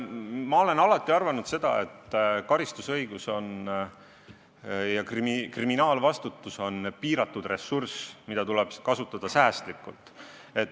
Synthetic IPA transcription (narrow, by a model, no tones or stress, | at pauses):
mɑo̞le̞nɑlɑt̪ˑːiɑrvɑnud̪̥se̞d̪̥ɑ̰e̞̰t̪ːˑkɑɾist̪usɤ̞jɡ̥uso̞n | jɑkrimikriminɑːlvɑst̪ut̪ːˑuso̞npiːɾɑt̪ːud̪̥re̞sːursmid̪̥ɑt̪ulɛb̥kɑsut̪ːˑɑd̪̥ɑsæːst̪likːˑult̪ˑ | e̞t̪